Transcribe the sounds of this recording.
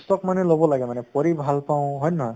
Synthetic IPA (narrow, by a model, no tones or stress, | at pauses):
stɔk̚manɛlobɔlaɡɛmanɛpoɹibʱalpaʊ̃ɦɔjnɔɦɔj